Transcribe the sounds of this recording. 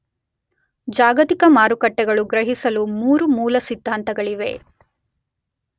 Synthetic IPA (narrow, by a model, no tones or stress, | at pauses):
d͡ʒaːɡɐt̪ikɐmaːɾukɐʈːɛɡɐɭuɡɾɐɦisɐlumuːɾumuːlɐsid̪ʱːaːnt̪ɐɡɐɭiʋe̞̰